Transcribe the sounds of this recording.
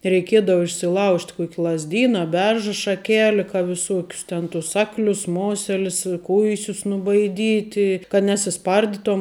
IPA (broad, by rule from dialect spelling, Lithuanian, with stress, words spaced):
rʲɛɪˈkʲiɛdɐʋɐ ɪʃʲsʲɪˈlˠɐʊʃʲtʲ ˈkuɔkʲ lˠɐzʲˈdʲiːnɐ ɐ ˈbʲɛrʒɐ ʃɐˈkʲæːlʲɪ kɐ ʋʲɪˈsoːkʲʊs ˈtʲɛn tʊs ˈɑːklʲʊs ˈmoːsʲɛlʲɪs ɪ ˈkʊɪsʲʊs nʊbɐɪˈdʲiːtʲɪ kɐt nʲɛsʲɪˈspɐrʲdʲɪtoːm